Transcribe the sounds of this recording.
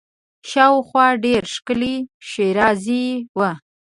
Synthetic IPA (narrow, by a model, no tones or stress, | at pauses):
ʃɑwxwɑɖeɾʃkəliʃeɾɑziwə